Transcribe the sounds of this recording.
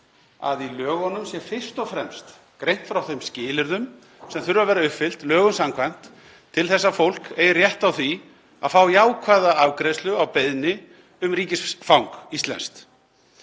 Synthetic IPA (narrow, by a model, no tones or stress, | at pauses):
a̰ðilœːɣɔnːʏmsjɛfɪr̥st̪ɔfɾɛmst̪ | kɾejn̥t̪fɾawθejmscɪːlɪɾðʏm | sɛmθʏɾvavɛːɾaʏhpfɪl̥t̪lœːɣʏnsamkʰvajn̥t̪ | t̪ʰːɪlθɛsːafowl̥keːjɪrjɛht̪awθvi | a̰ðfaːwjaːwkʰvaːðaavkɾest̪lʏawpejðnɪ | ʏmɾiːcɪsfawŋkist̪lɛ̰nst̪